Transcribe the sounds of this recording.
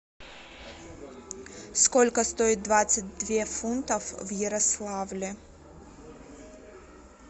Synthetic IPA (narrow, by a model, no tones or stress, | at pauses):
skolʲkɐst̪oɪt̪̚d̪vat̪sɨt̚ʲd̪vʲefunt̪ɐfvjɛɾɐslˠavlʲɪ